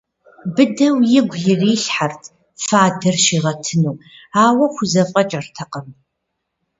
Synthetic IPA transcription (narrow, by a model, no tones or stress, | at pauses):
bɨdɐwjɪɡʷjɪriːɬħartʰ | faːdɐrʃiːʁɐtʰɨnuwaːwɐxʷʊzɐvʼqʼɐt͡ʃʼɐrtʰɐqɐm